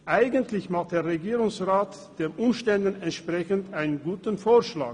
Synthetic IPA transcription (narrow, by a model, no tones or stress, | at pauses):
ʔaɪɡəntʰlɪçmaχt̚d̥eːɐʁeɡiːʁʊŋsʁaːt | d̥eːmʔʊmʃtɛndən̩ɛntʃpʁ̥ɛçən̩taɪnənɡuːtn̩foːɐʃla̰ːk